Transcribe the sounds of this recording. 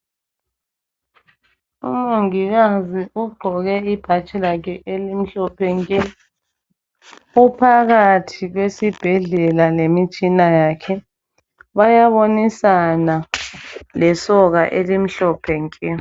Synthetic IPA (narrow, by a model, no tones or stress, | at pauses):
ṵmuŋiɣaziuɡ͡ǃʱɔɣɛib̥ʱat͡ʃʼɛlak̬ʰɛʔelim̩ɬɔpʰɛŋkʼɛ | upʰaɣatʰiɣwesib̥ʱɛɮɛlalemit͡ʃʼinajaːkʰɛ | βajaβonisana | lɛsɔɣaʔelim̩ɬɔpʰɛŋkʼɛ